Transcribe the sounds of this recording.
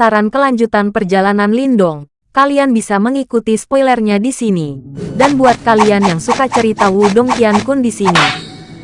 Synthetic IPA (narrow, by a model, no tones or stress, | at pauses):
aɾankəlaɲd͡ʒut̪anpərd͡ʒalananlindɔŋ | kalianbisaməŋikut̪ispɔilɛrɲadisinidanbuat̪̚kalianjaŋsukat͡ʃəɾit̪awudɔŋt̪iankundisini